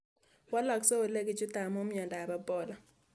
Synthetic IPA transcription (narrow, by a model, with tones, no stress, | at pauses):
wa˦lɔ˨ksɔ˦o˨le˦ɡɪ˨d͡ʒʊ˦ta˨mo˦mjɔ˨nda˨ba˦bɔ˨la˨